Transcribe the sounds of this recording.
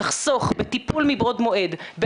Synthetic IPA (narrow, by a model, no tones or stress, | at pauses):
aχso̞χbet̪ipulmibʁod̪mo̞ʔe̞d̪be